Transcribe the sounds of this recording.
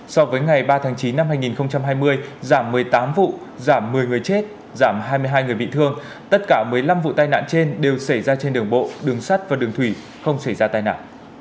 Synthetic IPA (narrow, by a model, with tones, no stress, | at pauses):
sɔ˧vəː˨˦jŋa˨˩jɓaː˧t̪ʰaː˨˦ŋt͡ɕi˨˦nːa˧mɦaː˧jŋi˨˩nxə˧wŋ͡mt͡ɕa˧mɦaː˧jmɨ˧əjzaː˧˩mːɨ˨˩əjt̪aː˨˦mvṵ˧˨ | zaː˧˩mːɨ˨˩əjŋɨ˨˩əjt͡ɕe˦˥t̚ | zaː˧˩mɦaː˧jmɨ˧əjɦaː˧jŋɨ˨˩əjɓḭ˧˨t̪ʰɨ˧əŋ | t̪ə˦˥t̚kaː˧˩mɨ˨˩əjla˧mvṵ˧˨t̪aː˧jna̰ː˧˨nt͡ɕe˧nɗe˨˩wsa˧˩jzaː˧t͡ɕe˧nɗɨ˨˩əŋɓo̰˧˨ɗɨ˨˩əŋsa˦˥t̚vaː˨˩ɗɨ˨˩əŋt̪ʰwi˧˩ | xə˧wŋ͡msa˧˩jzaː˧t̪aː˧jna̰ː˧˨nʔ